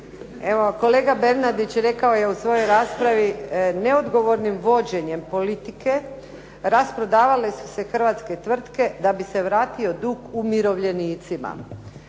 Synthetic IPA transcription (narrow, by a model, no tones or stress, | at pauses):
e̞ʋo̞ko̞le̞ːɡabe̞ɾnad̪it͡ɕɾe̞kao̞je̞usʋo̞jo̞jɾaːspɾaʋine̞o̞d̪ɡo̞ʋo̞ɾnimʋo̞d͡ʑe̞ɲe̞mpo̞lit̪ike̞ | ɾaspɾo̞d̪aːʋale̞su̥se̞xr̩ʋat̪sket̪ʋr̩t̪ke̞d̪abise̞ʋɾaːt̪io̞d̪uːkumiɾo̞ʋʎe̞niːt̪sima̰